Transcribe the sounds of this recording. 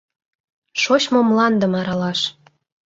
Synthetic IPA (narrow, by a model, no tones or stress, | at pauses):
ʃoɕmomlɑnd̪ə̆mɑɾɑlɑʃ